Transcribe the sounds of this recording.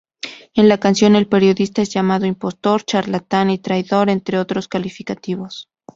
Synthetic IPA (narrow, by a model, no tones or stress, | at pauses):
e̞nlakansjo̞ne̞lpe̞ɾjo̞ðist̪ae̞zʝamaðoimpo̞st̪o̞ɾt͡ʃaɾlat̪anit̪ɾajðo̞ɾe̞nt̪ɾe̞o̞t̪ɾo̞skalifikat̪iβo̞s